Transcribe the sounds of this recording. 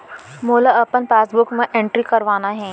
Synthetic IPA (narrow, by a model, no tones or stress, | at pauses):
moːlaəpənpaːsbʊkmə̃ʔẽɳʈɾikəɾʋaːnaɦɛ̃ː